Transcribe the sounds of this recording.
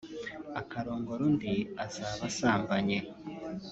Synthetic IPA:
akaɾoːŋɡoɾundiazaːβasaːmbaɲe

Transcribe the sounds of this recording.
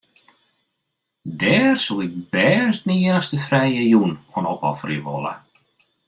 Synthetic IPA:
dɛːrsuɪk̚bɛːstnieənəχstəfrɛjəjunɔnɔpɔ̰friʋɔ̰lˠə̰

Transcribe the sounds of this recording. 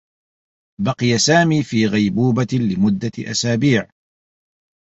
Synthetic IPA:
bɑqɨjasaːmiːfiːɣajbuːbalɪmʊd̪ːaʔa̰saːbiːʕ

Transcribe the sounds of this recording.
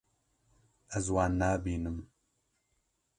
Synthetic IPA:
ɛzwaːnːaːbiːnɨm

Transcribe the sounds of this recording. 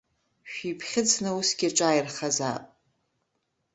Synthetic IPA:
ʃᶣipʰχʲɪt͡sʰnɨusɡʲiʈ͡ʂʼajrχaza̰pʼ

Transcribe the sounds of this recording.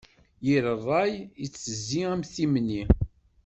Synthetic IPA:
jiɾərˤːɑjit͡sːəzːiæmθimni

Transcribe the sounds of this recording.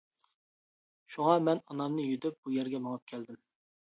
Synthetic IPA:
ʃuŋɑmɛnɑnɑmnɨjyd̪yp̚b̥ujæɾɡʲɛmɑŋɑp̚kʲʰɛld̪ɪm

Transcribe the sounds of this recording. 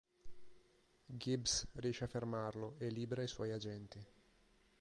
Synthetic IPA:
ɡibsriɛːʃeafːermarloelːiːbeɾajswɔjad͡ʒɛnt̪i

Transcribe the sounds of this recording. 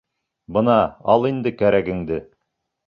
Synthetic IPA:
bɤnɑɑlˠind̪ɘkæɾæɡɘ̆ŋd̪ɘ

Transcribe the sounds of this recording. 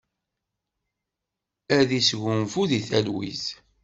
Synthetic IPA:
æðisʝʊnfuðiθælwḭz

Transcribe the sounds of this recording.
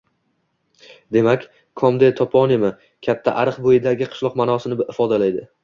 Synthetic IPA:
d̪e̞makʲ | kʰɒmd̪et̪ʰɒpʰɒnemɪ | kʲʰat̪ʰːaʔaɾɨqbojɪd̪aɡʲɪqʰɨ̥ʃlˠɒqmanɒsɪnɪɪfɒd̪alajd̪ɪ

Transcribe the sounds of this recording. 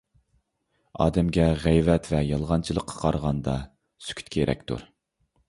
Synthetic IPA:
ɑ̰ːd̪ɛmɡʲɛʁɛjvɛt̪vɛjɑlˠʁɑnt͡ʃʰilˠəqʰːɑ̥qʰɑɾʁɑnd̪ɑ | sy̥kʲʰy̥t̪kʲʰeɾɛ̰k̚ʲt̪ʰṵɾ

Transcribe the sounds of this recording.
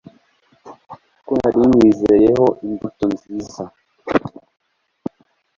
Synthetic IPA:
kwa̰ɾiɲwizeɾehoʔimbutonziza

